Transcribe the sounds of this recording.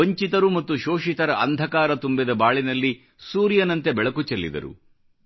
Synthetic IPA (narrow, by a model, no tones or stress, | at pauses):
ɐɲt͡ʃit̪ɐɾumɐt̪ːuʃoːʂit̪ɐɾɐʔɐnd̪ʱɐkaːɾɐt̪umbɛd̪ɐbaːɭinɐlːi | suːɾjɐnɐnt̪e̞bɛɭɐkut͡ʃelːḭd̪ɐ̰ɾṵ